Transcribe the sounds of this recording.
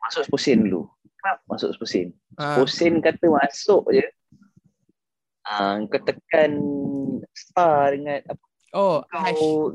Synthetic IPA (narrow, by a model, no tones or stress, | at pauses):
masʊʔsposɪnlṵ | klap̚masʊ̰ʔsposɪ̰n | sposɪnkat̪əmasʊʔd͡ʒə | əmkat̪əkan | st̪adəŋãnapə | oka